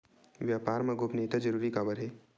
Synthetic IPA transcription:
ʋjaːpaːɾmãɡopneːt̪ad͡ʒəɾuːɾikabəɾɦeː

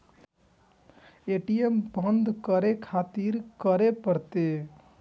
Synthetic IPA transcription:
eʈijembə̃nd̪kəɾekʰaːt̪iɾkəɾepəɾt̪e

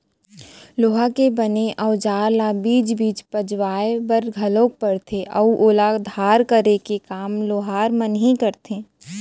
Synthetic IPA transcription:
loːɦakebəneʔɔʊd͡ʒaːɾlabiːd͡ʒbiːd͡ʒpəd͡ʒʋaːebəɾɡʱɐlõːk̚pəɽt̪ʰeʔɐʔoːlad̪ʱaːɾkəɾekekaːmloːɦaːɾmənɦikəɾt̪ʰeː

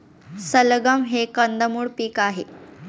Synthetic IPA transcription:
səlɡəmɦekənd̪əmuːɽpiːkaɦe

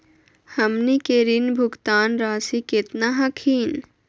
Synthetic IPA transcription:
həmnikeɾinbʱʊɡt̪aːnɾaːsiket̪naɦɐkʰiːn

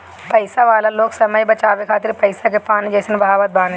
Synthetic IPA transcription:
pɐjsaʋaːlɐloːksɐmɐjbɐt͡ʃaːʋekʰaːt̪iɾpɐjsakepaːnid͡ʒeːsinɐbʱaːʋɐt̪̚bʱaːne

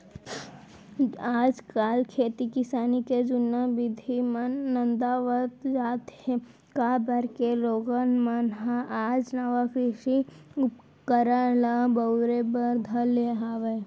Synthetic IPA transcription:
aːd͡ʒkaːlkʰeːt̪ikɪsaːniked͡ʒʊnːabɪd̪ʱimənːənd̪aːʋət̪d͡ʒaːt̪ | kabəɾkeloːɡənmənɦaʔaːd͡ʒnɐʋapiʃiʊp | kəɾalabəʊɾebəɾd̪ʱəleɦaːʋe

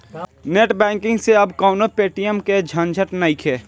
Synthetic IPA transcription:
neːʈbɛ̃ːŋkɪ̃ŋɡseɐbkəʊnopeːʈijəmked͡ʒʱənd͡ʒʱəʈnəɪkʰeː

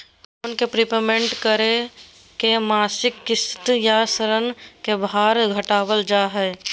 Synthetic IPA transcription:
konkepɾipemẽɳʈkəɾe | kemaːsɪkːɪst̪jasəɾənkebaːɾɡʱəʈaːwəld͡ʒaːɦɛː

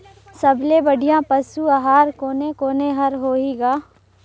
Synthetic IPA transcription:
sɐblebəɽʱijãpəsuaɦaːɾkoːnekoːneɦɐɾɦoːiːɡaː

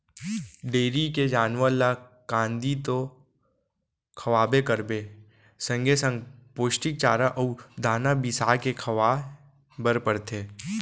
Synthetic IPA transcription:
ɖeːɾiked͡ʒaːnʋəlakãːnd̪it̪o | kʰɐʋaːbekəɾbe | sə̃ŋɡesə̃ŋɡpoːʃʈɪk̚t͡ʃaːɾaʔud̪ʱaːnabɪsaːkekʰɐʋaː | bəɾpəɾt̪ʰeː

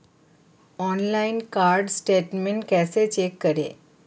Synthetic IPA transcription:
ɔnlainkaɾɖsʈeʈmeɳʈkɛset͡ɕekːəɾḛ

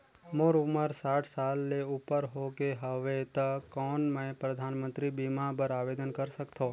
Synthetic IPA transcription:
moɾuməɾsaːʈʰsalːeupəɾɦokeɦəʋet̪əkɔnməẽpɾəd̪ʱanmə̃nt̪ɾibimãpəɾaʋed̪ənkəɾsəkt̪ʰo

